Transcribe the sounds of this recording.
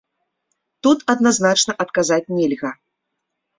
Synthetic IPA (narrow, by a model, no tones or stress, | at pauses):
t̪ut̪ɐd̪naznat͡ʂnɐʔɐt̪kazat͡sʲnʲɛlʲɣɐ